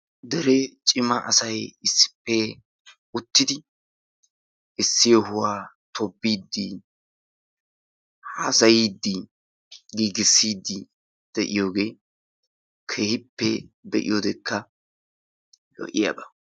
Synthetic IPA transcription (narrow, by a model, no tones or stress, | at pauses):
d̪ɛɾɛt͡ʃʼɪmɐʔɐsɐjɪsːɪ̥pːɛ | ʊt̪ːɪd̪ɪ | ɪsːɪjɔɦʊwaː | t̪ʰɔbːiːd̪ːɪ | hɐsɐjiːd̪ːɪ | ɡiːɡɪsːiːd̪ːɪ | d̪̥ɛʔɪjo̞ːɡe̞ː | kʰe̞ːhɪpːɛd̪ɛʔɪ̰joːd̪ɛkʰːɐ | lɔ̰ʔɪja̰ːbɐ